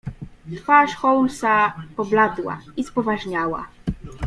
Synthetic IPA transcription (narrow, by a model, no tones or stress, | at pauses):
t̪faʂxɔwlsapɔblad̪wa̰ispɔvaʐɲawa̰